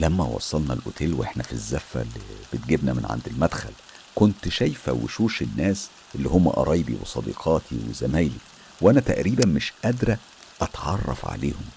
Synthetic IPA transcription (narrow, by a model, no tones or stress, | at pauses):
læmːæwɑ̰sˤːɑlnɑlʔot̪ʰeːlwʔeħnæfizːæfːæ̰lːib̥et̪̚ɡebnæmenʕa̰nd̪ilmæd̪xæl | kont̪ʃæjfæwḛʃuːʃenːæːs | ʔelːihomːæ̰ʔɑ̰ɾˤʔɑjbḭwesˤɑd̪ḭːqʰɑːt̪ʰiwezæmæːli | wʔænæt̪æʔɾiːbænmeʃʔæd̪ɾæ | ʔɑt̪ʕɑrˤːɑ̰fʕa̰leːhom